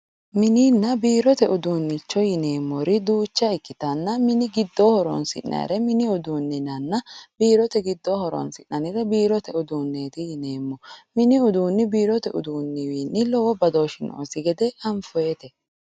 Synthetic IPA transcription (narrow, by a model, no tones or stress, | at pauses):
mɪniːnːɐbiːɾɔt̪ɛʔʊd̪uːnːɪt͡ʃːɔjɪne̞ːmːɔɾɪd̪uːt͡ʃːɐɪkːɪt̪ɐnːɐmɪnɪɡɪd̪ːɔhɔɾɔ̰nsɪ̰ʔːɐ̰ɪ̰ɾɛmɪnɪʊd̪uːnːɪnɐnːɐbiːɾɔt̪ɛɡɪd̪ːɔhɔɾɔ̰nsɪnːɐnɪɾɛbiːɾɔt̪ɛʊd̪uːnːeːt̪ɪjɪneːmːɔmɪnɪʊd̪uːnːɪbiːɾɔt̪ɛʔʊ̰d̪uːnːɪwiːnːɪlɔwɔbɐd̪oʃɪno̰ːsɪɡɛd̪ɛɐɱfʊeːt̪ɛ